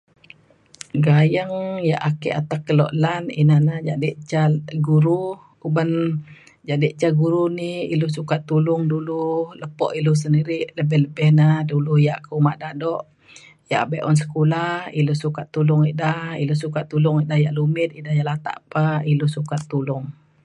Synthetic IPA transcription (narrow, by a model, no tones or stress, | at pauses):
ɡajəŋjaʔakɛ̰ʔat̪akːəlɔ̰ʔlaninanad͡ʒadiʔt͡ʃaɡuɾu | ubən | d͡ʒadiʔt͡ʃaɡuɾuniḭlusukat̪ːulʊŋdululəpɔ̰ʔilus̬əndiɾɪʔləbɛhləbɛhnaduluhjaʔkəumaʔdadɔʔ | jaʔabeʔɔ̰ns̬ə̥kulahiluhsukat̪ːulʊŋiʔdahḭlusukat̪ːulʊŋiʔdahjaʔlumɪt̪̚idahjaʔlat̪a̰ʔpailusukat̪ːulʊŋ